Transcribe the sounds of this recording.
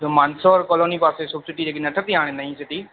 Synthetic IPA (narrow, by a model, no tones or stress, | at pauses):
d̪omaːnsoɔːɾkɔːloːnipaːsesʊbsɪʈid͡ʑeːk̬nɐʈʰət̪iɦaːɽ̃enɐɦĩsɪʈ̪i